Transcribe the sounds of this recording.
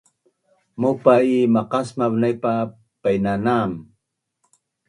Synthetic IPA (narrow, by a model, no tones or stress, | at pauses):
mupaimaqasmaβnajpa | pajnanam